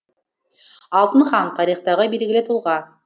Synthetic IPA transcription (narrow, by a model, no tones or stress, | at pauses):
ɑlˠt̪ənχɑnt̪ʰɑɾijχt̪ɑʁəbelɡʲɪlet̪ʰulˠʁɑ